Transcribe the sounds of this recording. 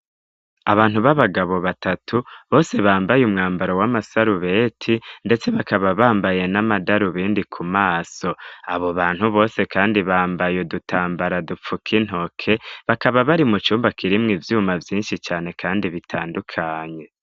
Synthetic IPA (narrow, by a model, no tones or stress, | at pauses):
aβaːn̥huβaβaɡaβo̞βatatʰuβo̞ːse̞βaːmbajumŋaːmbaɾo̞wamasaɾuβe̞ːtʰinde̞t͡se̞βakaβaβaːmbaje̞namadaɾuβiːndikʰumaːso̞aβo̞βaːn̥huβo̞ːse̞kaːndiβaːmbajedutʰaːmbaɾadup͡fukʰin̥ɦo̞kʰe̞βakaβaβaɾimut͡ʃuːmbakʰiɾimŋivjuːmavjiːnʃit͡ʃaːne̞kʰaːndiβitʰaːndukʰaːɲe̞